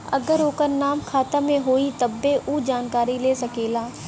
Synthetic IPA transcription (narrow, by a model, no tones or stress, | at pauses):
ɐɡəɾoːkəɾnaːmkʰaːt̪amẽɦoːit̪ɐbːeʔuːd͡ʒaːnkaːɾileːsɐkeːlaː